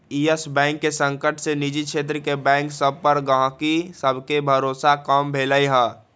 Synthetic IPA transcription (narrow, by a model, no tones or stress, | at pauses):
iəsbɛ̃ːŋkːesə̃ŋkəʈsenid͡ʒikʃʰeːt̪̬ɾəkebɛ̃ːŋksəb̚ʱpəɾɡəɦãkisəbʱkebʱəɾoːsakambʱeːləiɦɛː